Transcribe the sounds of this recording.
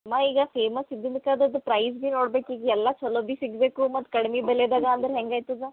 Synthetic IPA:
maiːɡɐpʰeːmɐsid̪ːind̪kad̪ɐd̪pɾɐjsbiːnoːɽbeːkiːɡɛlːat͡ʃʰɔloːbisiɡbeːkumɐt̪ːkɐɽmibɛled̪aːɡaɐnd̪ɐɾɦɛŋɡaːjt̪ud̪a

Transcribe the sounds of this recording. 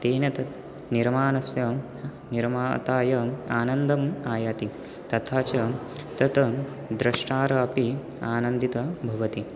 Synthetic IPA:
t̪eːnɐt̪ɐ | niɾmaːnɐsjɐ | niɾmaːt̪aːjɐaːnɐnd̪ɐmaːjaːt̪i | t̪ɐt̪ʰaːt͡ʃɐ | t̪ɐt̪ɐ | d̪ɾɐʂʈaːɾɐɐpi | aːnɐnd̪it̪ɐbʱɐʋɐt̪i

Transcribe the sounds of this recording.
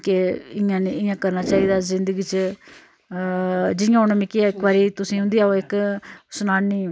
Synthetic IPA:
keɪjãːniːɪ̃jãːkəɾnaːt͡ʃaːiːd̪aːzɪnd̪əɡiːt͡ʃ | d͡ʒɪjãːonemɪkiaːɪkbaːɾiːt̪ʊsĩːɦʊ̃nd̪iːaːoɪksʊnaːniː

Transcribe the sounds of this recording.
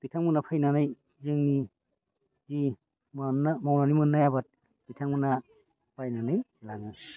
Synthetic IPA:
b̥itʰaŋmunapʰajnanaj | zɯŋni | zi | mnamawnanimɯnːajabat̚ | b̥itʰaŋmuna | b̥ajnanɯjlaŋi

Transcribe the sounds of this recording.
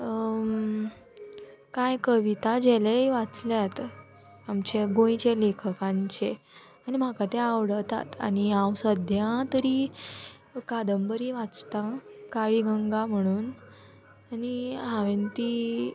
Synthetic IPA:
kajkəʋit̪ad͡ʑelejʋat͡sljat̪ | amt͡ɕeɡõit͡ɕelekʰəkãɲt͡ɕe | añim̤akat̪ẽaʋɽət̪a̰t̪a̰niãwsəd̪ʱjãt̪əɾi | kad̪əmbəɾiʋat͡st̪akaɭiɡəŋɡam̤əɽ̃uːn | aniaʋent̪i

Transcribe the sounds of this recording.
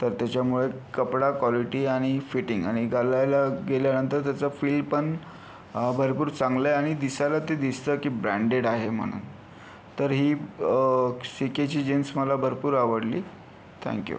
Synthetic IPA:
t̪əɾt̪jat͡ɕjamuɭekəpɽakʋɔliʈiːaɽ̃ifiʈiŋɡa̰ɽ̃iɡalajlaɡeljanənt̪əɾt̪jat͡səfiːlpəɳ | bʱəɾpuːɾt͡sãŋɡleaɽ̃id̪isajlat̪ed̪ist̪əkiːbɾæ̃ɳɖeɽaɦem̤ə̰ɽ̃ṵːn | t̪əɾɦiː | siket͡ɕiːd͡ʑensməlabʱəɾpuːɾaʋəɽlḭː | t̪ʰɛ̰̃ŋkjṵ

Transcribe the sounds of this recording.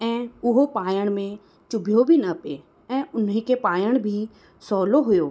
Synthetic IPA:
ɛ̃ːʊɦopaːjəɽ̃mẽ | t͡ʃʊbʱjobʱinəpe | ɛ̃ːʊnɦẽkepaːjəɽ̃bʱi | sɔːloɦʊjoː

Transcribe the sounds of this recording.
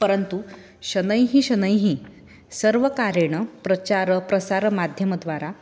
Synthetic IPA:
pəɾənt̪u | ɕənəjɦiɕənəjɦĩː | səɾʋəkaɾeɳ̃əpɾət͡ɕaɾəpɾəsaɾmad̪ʱjəməd̪ʋaɾa

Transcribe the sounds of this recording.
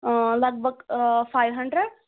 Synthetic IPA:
lɐɡ̚bʱɐɡpʰajʋɦɐɳɖɾeɖ

